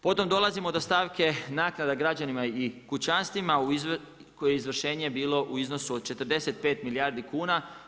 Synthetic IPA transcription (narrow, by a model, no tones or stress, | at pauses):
po̞t̪o̞md̪o̞lˠazimo̞d̪ost̪aːʋke̞naːknad̪aɡɾad͡ʑanimaikut͡ɕanst̪ʋimau | kojeeizʋr̩ʃe̞ːɲebiːlˠo̞ʔuizno̞suod̪̚t͡ʃe̞t̪ərɾd̪e̞set̪̚peːt̪miliaːɾd̪ikuːna